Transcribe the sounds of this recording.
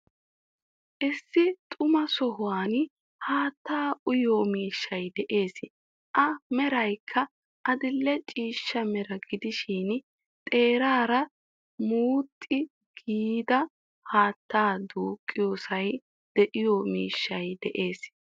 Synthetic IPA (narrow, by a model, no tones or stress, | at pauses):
ʔɪsːɪt̪ʼʊmɐsɔɦʊwaːn | haːt̪ːaːʔʊjoːmiːʃːɐjd̪ɛʔe̞ːs | ʔɐmɛɾɐjkʰːɐ | ʔɐd̪ɪlːɛt͡ʃʼiːʃːɐmɛɾɐɡɪd̪ɪʃiːn | t̪ʼe̞ːɾaːɾɐ | muːt̪ʼːɪ | ɡ̥iːd̪ɐ | haːt̪ʰːaːd̪uːkʼːɪjo̞ːsɐj | d̪̥ɛʔɪjoːmiːʃːɐjd̪ɛʔe̞ːs